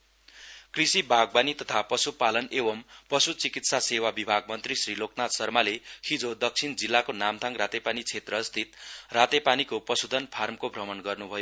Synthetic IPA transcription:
krisibʱaɡ̚banit̪ʌt̪ʰapʌsupalʌnebʌmpʌsut͡sikit̪sasewabibʱaɡ̚mʌnt̪risriloknat̪sʌrmalehʰid͡zod̪ʌk̚t͡sʰind͡zilːakonamd̪ʱaŋrat̪epanit͡sʰet̪rʌst̪ʰit̪rat̪epanikopʌsud̪ʱʌnpʰarmkobʱrʌmʌnɡʌrnubʱʌjo

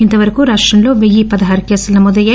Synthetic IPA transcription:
int̪ɐʋɐɾɐkuɾaːʂʈrɐmlo̞ːʋejipɐd̪ɐɦaːɾkesɐlnɐmuːd̪ɐjɐ

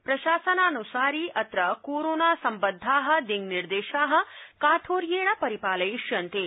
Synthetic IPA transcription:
pɾɐʃaːsɐnaːnusaːɾiːʔɐt̪ɾɐkoːɾoːnaːsɐmbɐd̪ʱːaːɦɐ̆d̪iŋɡniɾd̪eːʃaːɦɐ̆kaːt̪ʰoːɾjeːɽɐpɐɾipaːlɐjiʂjɐnt̪eː

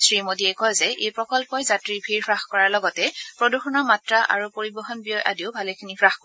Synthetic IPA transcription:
sɹimodiɛkɔjzɛʔejpɹɔkɔlpɔjzatɹibʱiɹpʰɹaxkɔɹaɹlɔɡɔtɛpɹoduxɔnɔɹmatɹaʔa̰ɹupoɹibɔɦɔnbijɔjʔa̰diʊbʱalekʰinipʰɹaxkɔ

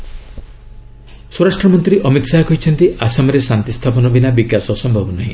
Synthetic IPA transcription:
soɾasʈɾɔmɔnt̪ɾiʔɔmit̪saɦɔkɔɦit͡ʃʰɔnt̪iʔasɔmɔɾesant̪ist̪ʰapɔnɔbinabiɡjasɔsɔmbʱɔbɔnɔɦĩ

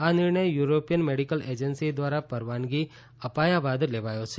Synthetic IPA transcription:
anɪɾɳəjjuɾopijənmeɽikəled͡ʒənsid̪ʋaɾapəɾʋanɡi | əpajabad̪leʋajot͡ʃʰe

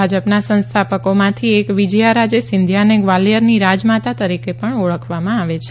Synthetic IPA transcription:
ad͡ʒəpnasə̃nst̪ʰapəkomãt̪ʰiekʋid͡ʒjaɾad͡ʒesɪnd̪ʱjaneɡʋaljəɾniɾad͡ʒmat̪at̪əɾikepəɳoɭəkʰʋamãaʋet͡ʃʰ

